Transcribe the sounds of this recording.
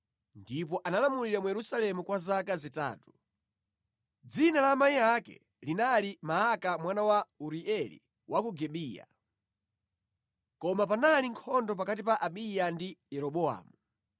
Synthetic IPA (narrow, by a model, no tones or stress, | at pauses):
ndip̬ɔʔanalamuliɾamujɛɾusalɛmukwazakazita̰ːtu̥ | d͡zinalaːmaijakɛ̰ | linalimaːkamwanawauɾiɛlḭ | wʔakuɡɛɓiːja̰ | kɔmapanaliŋkʰɔndɔp̬akatipaʔaɓijandijɛɾɔɓɔa̰ːmu